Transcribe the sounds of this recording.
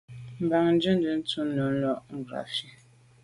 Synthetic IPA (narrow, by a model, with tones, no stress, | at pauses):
m̩˨ba˨ŋn̩˦d͡ʒʉ˦n˦də˨˦n̩˦tu˦nɔ˨˦n̩˦lɔ˦˨ʔŋ̩˦˨ɡɾa̰˨fi˦